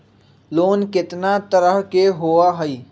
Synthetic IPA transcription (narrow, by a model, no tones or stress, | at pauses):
loːnkɪt̪nat̪əɾəɦkeɦoːaɦəiː